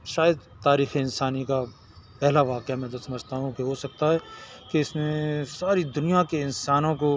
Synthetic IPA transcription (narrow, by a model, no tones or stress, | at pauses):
ʃaːjəd̪t̪aːɾiːxeɪnsaːnika | pɛɦlaʋaːqjamɛ̃ːt̪osɐməd͡ʒʱt̪aɦũkeɦosɐk̚t̪aɦɛkeɪsnẽsaːɾid̪ʊnijakeɪnsaːnõko